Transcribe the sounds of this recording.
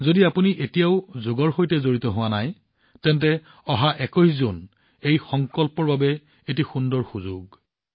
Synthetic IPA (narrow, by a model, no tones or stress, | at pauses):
zodiapuniʔetijaʊzoɡɔɹxojtɛzoɹitɔɦʊwanaj | tɛntɛ | ɔɦaʔɛkɔjszun | ejxɔŋkɔlpɔɹbabɛ | etixundɔɹxuzʊɡ